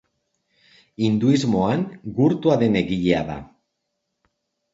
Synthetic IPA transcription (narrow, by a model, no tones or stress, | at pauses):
ind̪uizmo̞aŋɡuɾt̪uaðe̞ne̞ɣiʎe̞aða̰